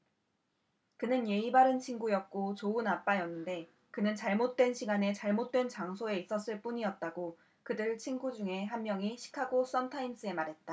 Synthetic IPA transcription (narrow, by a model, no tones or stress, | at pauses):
kɯnɯnje̞ibaɾɯnt͡ɕʰiŋɡujʌk̚k͈ot͡ɕoɯnap͈ajʌnːɯnde̞ | kɯnɯnt͡ɕaɭmot̚t͈we̞nɕʰiɡane̞t͡ɕaɭmot̚t͈we̞nt͡ɕaŋsʰoe̞is͈ʌs͈ɯɭp͈uɲiʌt̚t͈aɡo | kɯdɯɭt͡ɕʰiŋɡud͡ʑuŋe̞ɦanmjʌŋiɕʰi̥kʰaɡos͈ʌntʰains͈ɯe̞maɾɦe̞t̚t͈a